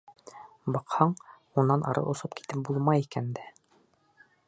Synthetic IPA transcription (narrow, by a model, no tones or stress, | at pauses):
bɑqhɑɴ | unːɑnʔɑ̰ɾɤ̰ʔŏsɤpki̥t̪ɘp̚bulˠmɑjikænd̪æ